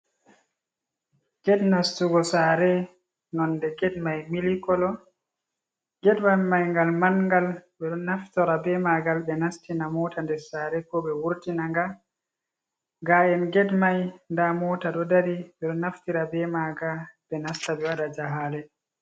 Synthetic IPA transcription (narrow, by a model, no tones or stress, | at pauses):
ɡ̥ɛdnastuɡɔsaɾɛ | nɔndɛɡɛdmajmilikɔlɔ | ɡɛdmamajŋɡalmanŋɡalɓɛɗɔnnaftɔɾabɛmaɡalbɛnastinamɔtandɛsaːɾɛkɔɓɛwuɾtinaŋɡa | ɡajɛnɡɛdmajndamɔtaɗɔdaɾiɓɛɗɔnːaftiɾabɛmaɡaɓɛnastabɛwadad͡ʒaɦalɛ